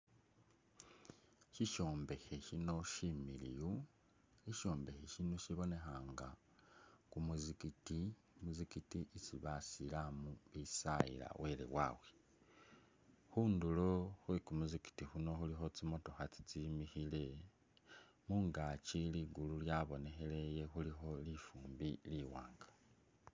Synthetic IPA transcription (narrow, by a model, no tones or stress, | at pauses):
ʃiʃo̞ːmbe̞xe̞ʃino̞ʃimilḭju | eʃo̞ːmbe̞xeʃino̞ʃiβo̞ne̞xaːŋɡa | kumuzikiti | muzikitiʔit͡siβasilamuβisaḭla̰wʔe̞lḛwa̰we | xuːndulo̞xwekumuziki̥tixuno̞xulixo̞t͡simo̞to̞xat͡si̥t͡simixile̞ | muːŋɡat͡ʃiliɡululjaβo̞ne̞xele̞je̞xulixo̞lifuːmbiliwa̰ːŋɡḁ